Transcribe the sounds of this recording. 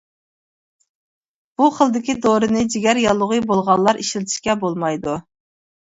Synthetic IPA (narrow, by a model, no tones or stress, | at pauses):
b̥uχəlˠd̪ɪkʲid̪oɾɨnɨd͡ʒiɡʲɛɾjɑlˠːʊʁɨjbolˠʁɑlˠːɑɾʔiʃlɪt̪ʰɪ̥ʃkʲɛbolˠmɑjd̪u